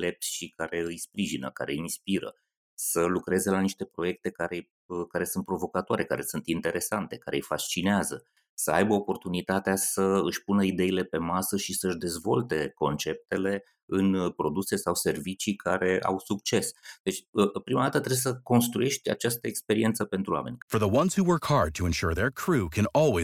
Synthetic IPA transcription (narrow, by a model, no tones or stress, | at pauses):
le̞p̚t̪sʲʃikaɾe̞ɨjspɾiʒinə̰ka̰ɾe̞inspiɾə̰ | səlukɾe̞ze̞laniʃt̪e̞pɾo̞je̞k̚t̪e̞kaɾe̞j | kaɾe̞sunt̪̚pɾo̞vo̞kat̪oaɾe̞ka̰ɾe̞sunt̪int̪e̞ɾe̞sant̪e̞kaɾe̞̰jfast͡ʃineazə | səajbəopo̞rt̪unit̪at̪easəɨʃpunəid̪e̞ile̞pe̞masəʃisəɨʒd̪e̞zvo̞lt̪e̞ko̞̰nt͡ʃe̞p̚t̪e̞le̞ | ɨnpɾo̞d̪use̞sawse̞rvit͡ʃikʰa̰ɾe̞a̰wsuk̚t͡ʃe̞sd̪̥e̞t͡ʃʲəpɾimad̪at̪ət̪ɾejsəko̞nst̪ɾuje̞ʃt̪ʲa̰t͡ʃast̪əekspe̞ɾie̞nt̪səpe̞nt̪ɾua̰me̞̰nʲfə˞ðəwʌ̃nz̥huwə˞khɑɹd̚tʰəɛ̃nʃuɹðə˞kʰɹ̥ukʰɨ̃nɔlˠwi